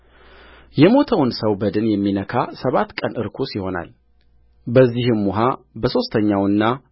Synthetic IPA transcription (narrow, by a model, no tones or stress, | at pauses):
jɛmo̞t̪ʰəwnsəwbəd̪ɨnjɛmːinəkʰasəβat̪ːkʼənʔɨɾkʰosiho̞na̰l | bəzːihɨmːuɦabəso̞st̪ʰəɲːawɨnːa